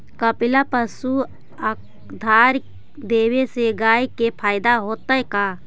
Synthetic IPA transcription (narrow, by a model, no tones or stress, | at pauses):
kəpɪlapəsu | ək | d̪ʱaːɾ | d̪eːweseɡaːikepʰaːɪd̪aɦoːt̪əeka